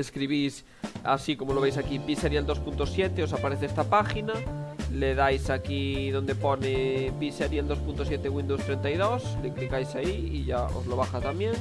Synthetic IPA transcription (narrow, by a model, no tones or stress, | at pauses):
eskɾiβ̞is | a̰sikomoloβejs̬akipiseɾjald̪ospunt̪osjet̪eosapaɾeθeest̪apaxinaleðajsakiðond̪eponepiseɾjald̪ospunt̪os̬jet̪eɣwĩnd̪owst̪ɾent̪ajðosleklikajsaiiʎao̰zloβaxat̪amjẽŋ